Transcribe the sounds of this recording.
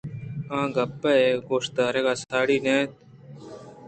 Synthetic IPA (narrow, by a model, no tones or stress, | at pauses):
ãːɡɐpːaeɡoːʂt̪aːɾekaːsaːɽiːnẽːt̪̚